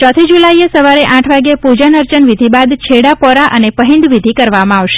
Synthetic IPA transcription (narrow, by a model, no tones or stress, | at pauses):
t͡ʃɔt̪ʰid͡ʒulaiesəʋaɾeʔãʈʰʋaɡjepud͡ʒənəɾt͡ʃənʋid̪ʱibad̪t͡ʃʰeɽapɔɾaʔənepəɦɪ̃nd̪ʋid̪ʱikəɾʋamãaʋʃe̥